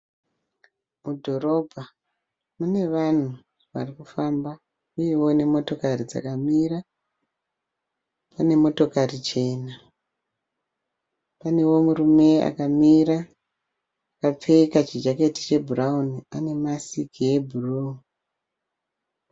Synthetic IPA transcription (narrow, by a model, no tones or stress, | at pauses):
mudʱo̞ɾo̞bʱa | mune̞ʋan̤u | ʋa̰rikufamba | ujewo̞ne̞mo̞to̞karid͡za̰kamiːra | pane̞mo̞to̞karit͡ʃe̞ːna | pane̞wo̞murume̞a̰kamiɾa | akap͡fe̞kat͡ʃid͡ʒaketi̥t͡ʃe̞bʱurauniane̞masikie̞bʱuru